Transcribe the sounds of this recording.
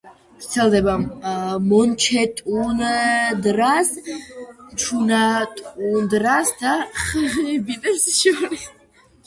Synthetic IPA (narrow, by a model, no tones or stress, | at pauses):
vɾt̪sʰɛld̪ɛbamɔnt͡ʃʰɛt̪ʼund̪ɾas | t͡ʃʰunat̪ʼund̪ɾasd̪aχʁibid̪ɛpsʃiɾis